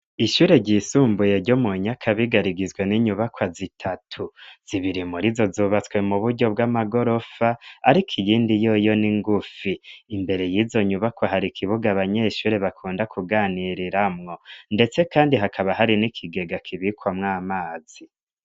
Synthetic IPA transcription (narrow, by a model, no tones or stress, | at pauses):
iʃuːɾe̞ɟiːsuːmbuje̞ɾɟomuɲakʰaβiɡaɾiɡizwe̞niɲuβakwazitʰatʰuz̥iβiɾimuɾizo̞zuːβat͡swe̞muβuɾɟo̞bɡamaɡo̞ɾo̞faːɾikʰijiːndijo̞jo̞niŋɡufiːmbe̞ɾe̞jizo̞ɲuβakwaɦaɾikʰiβuɡaβaɲeʃuɾe̞βakʰuːndakʰuɡaːniɾiɾamŋo̞nde̞t͡se̞kaːndiɦakʰaβaɦaɾinikʰiɡe̞ɡakʰiβikwamŋaːmaːz̥i